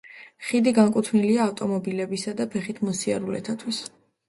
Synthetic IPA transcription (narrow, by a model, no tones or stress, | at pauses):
χid̪iɡaŋkʼut̪ʰvniliaːft̪ʼɔmɔbilɛbisad̪apʰɛχit̪ʰmɔsia̰ɾulɛ̰t̪ʰat̪ʰwis